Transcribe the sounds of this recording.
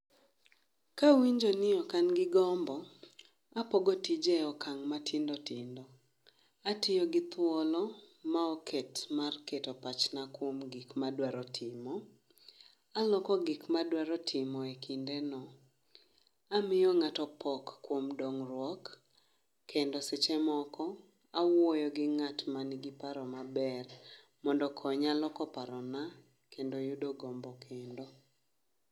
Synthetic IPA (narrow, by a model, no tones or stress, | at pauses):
kawiɲd͡ʒonɪɔkanɡɪɡɔmbɔ | apɔɡɔtid͡ʒɛɔkaŋmatʰɪndotɪndɔ | atɪjɔɡɪt̪wɔlɔmaɔkʰɛtmarketopat͡ʃnakwomɡɪkmadwaɾɔtʰɪmɔ | alɔkɔɡɪkmadwaɾɔtʰɪmɔekʰindenɔ | amɪjɔŋatɔpɔkːwomdɔŋɾwɔkː | endoset͡ʃɛmɔkɔ | awojɔɡɪŋatmanɪɡɪpaɾɔmabɛr | mɔndɔkʰɔɲalɔkɔpaɾɔna | kʰendojudoɡombɔkʰendo